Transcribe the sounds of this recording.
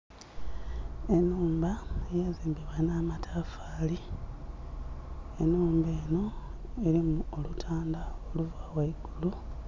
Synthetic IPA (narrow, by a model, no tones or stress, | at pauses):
e̞nːuːmbaejeziːmbiβanaːmatʰaːfaːli | enuːmbe̞ːno̞eɾimuolutʰaːndaoluvaːwaiɡulu